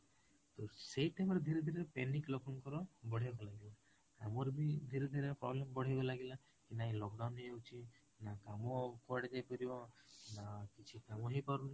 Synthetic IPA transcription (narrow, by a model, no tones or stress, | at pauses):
t̪oseʈejmɔɾed̪ʱiɾed̪ʱiɾepeniklɔkʰɔŋkɔɾɔbɔɽ̤ejbɔlaɡila | kamɔɾbid̪ʱiɾed̪ʱiɾepɾɔ̰blemɔbɔɽ̤ebɔlaɡila | kinaĩlɔkɖawnɦeewt͡ʃʰi | nakamɔkɔaɽed͡ʒajpɔɾibɔnakit͡ʃʰikamɔɦepaɾuna